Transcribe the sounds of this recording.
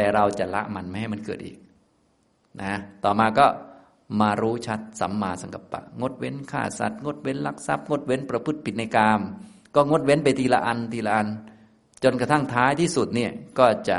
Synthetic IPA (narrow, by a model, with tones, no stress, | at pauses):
t̪ɛː˨˩ɾa˧wt͡ɕa˨˩ʔla̰˦˥ʔma˧nma˧˩ha˥˩jma˧nkɤː˨˩t̪ʔḭː˨˩k̚ | na˧a˧˥t̪ɔː˨˩maː˧kɔː˥˩ | maː˧ɾuː˦˥t͡ɕʰa˦˥t̪̚sa̰˨˦mːaː˧sa˨˦ŋka˧pːa̰˧˩ʔŋo˧˥˩t̪̚we˧˥˨nkʰa̰ː˧˩sa̰˧˩t̪̚ŋo˧˥˩t̪̚we˧˥˨nla˧˩k̚sa˧˥˩p̚ŋo˧˥˩t̪̚we˧˥˨npɾa˧pʰɯ˧˥˩t̪̚pʰi˨˩t̪̚na˧jkaː˧m | kɔː˧˥˩ŋo˧˥t̪̚we˦˥˨npa˧jt̪iː˧la̰˧ʔa˧nt̪iː˧la˧ʔa˧n | t͡ɕo˧nkt̪ʰa˥˩ŋt̪ʰaː˦˥jt̪ʰiː˥˩su˨˩t̪̚niː˧˩kɔː˥˩t͡ɕa̰˨˩